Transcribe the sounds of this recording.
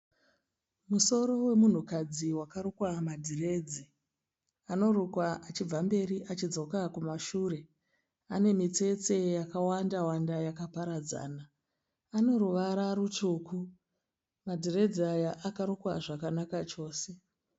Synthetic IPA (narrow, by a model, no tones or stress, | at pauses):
muso̞ɾo̞we̞mun̤ukad͡ziwakarukwamadʱire̞ːd͡zi | ano̞ɾukwaʔat͡ʃib͡vambe̞ɾiʔat͡ʃid͡zo̞kakumaʃuːre̞ | ane̞mit͡se̞t͡se̞jakawandawandajakapaɾad͡za̰ːnaː | no̞ɾuʋaɾarut͡ʃuku | madʱire̞d͡ziajaʔakaɾukwaʐakanakat͡ʃo̞ːse